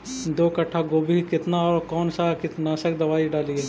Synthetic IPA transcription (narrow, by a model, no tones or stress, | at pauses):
d̪oːkɐʈʰːaɡoːbʱikɪt̪naɔːɾkɔːnsakɪt̪nasɐkd̪ɐʋaːiɖaːlieː